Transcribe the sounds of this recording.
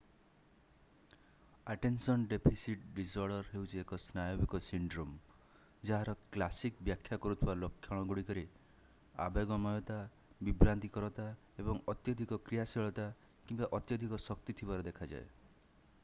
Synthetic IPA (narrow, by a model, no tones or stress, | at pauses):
aʈensɔnɖepʰisiʈɖisɔɾɖɔɾɦewt͡ʃʰiekɔsnajobikɔsiɳɖɾom | d͡ʒaɦaɾɔklasikbjakʰjakɔɾut̪ʰibalɔkʰːjɔɽ̃ɔɡuɽikɔɾi | a̰beɡɔmɔjɔt̪a | bibɾant̪ikɔɾɔt̪a | ebɔŋɔt̪jɔd̪ʱikɔkɾijasiɭɔt̪a | kimbaʔɔt̪jɔd̪ʱikɔsɔkt̪it̪ʰibaɾɔd̪ekʰad͡ʒa̰e